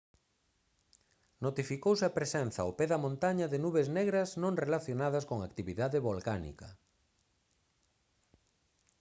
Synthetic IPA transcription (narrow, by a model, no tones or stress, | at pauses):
not̪ifikowsɐpɾesɛnθɐopeðɐmõnt̪aɲɐðenuβezneɣɾɐznõŋrelaθjonað̞ɐskoŋakt̪iβiðaðɪβolkanḭkɐ